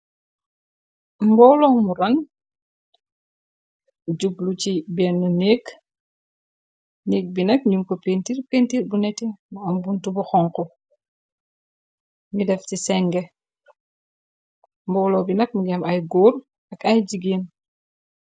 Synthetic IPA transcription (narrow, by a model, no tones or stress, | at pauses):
mbɔwlɔmuɾɐn | ɟublucibɛːnːuneːk | niːk̚binɐk̚ɲuŋkopentirpeːntiɾbunɛtimuɐmbuntubuxɔŋkɔ | midɛftisɛŋɡɛ | mbɔwlɔbinɐk̚muɡɛmɐjɡɔːr | ɐkɐjɟiɡeːn